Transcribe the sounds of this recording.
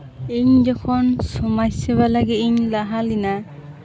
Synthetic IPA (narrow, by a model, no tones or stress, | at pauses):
iɲzɔkʰɔnsɔmajsɛβalaɡiiɲlaɦalina